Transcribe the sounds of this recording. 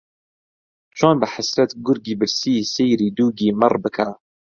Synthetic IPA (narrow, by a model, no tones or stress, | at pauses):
t͡ʃʰoːnbɨħasɾat̪ɡʊɾɡiːbɨɾsiːsejɾiːd̪uːɡiːmɨrˤbɨkʰa